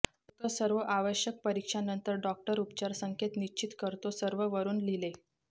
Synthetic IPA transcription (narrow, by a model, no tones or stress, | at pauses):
t̪osəɾʋəʔaʋəɕjək̚pəɾikʂanənt̪əɾɖɔk̚ʈəɾupt͡ɕaɾsəŋkʰet̪nit͡ɕit̪kəɾt̪osəɾʋəʋəɾuːnlile